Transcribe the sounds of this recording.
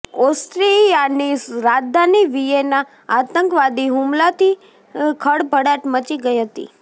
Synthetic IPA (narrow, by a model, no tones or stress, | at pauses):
ost̪ɾijanisɾad͡ʒd̪ʱaniʋijena | at̪əŋkʋad̪iɦumlat̪i | kʰəɽbʱəɽaʈmət͡ʃiɡəiɦət̪ḭ